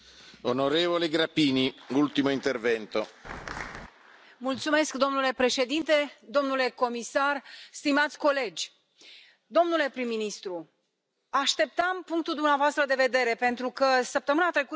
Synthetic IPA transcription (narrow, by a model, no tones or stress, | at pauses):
onoɾevoleɡɾapiːniult̪imoint̪ervɛnt̪o | mult̪sume̞skd̪o̞mnule̞pɾe̞ʃe̞d̪int̪e̞d̪o̞mnule̞ko̞misarst̪imat̪sʲko̞le̞d͡ʒʲ | d̪o̞mnule̞pɾimːinist̪ɾu | aʃt̪e̞p̚t̪əmpuŋk̚t̪uld̪umneavoast̪ɾəd̪e̞ve̞d̪e̞ɾe̞pe̞nt̪ɾukəsəp̚t̪əmɨnat̪ɾe̞ku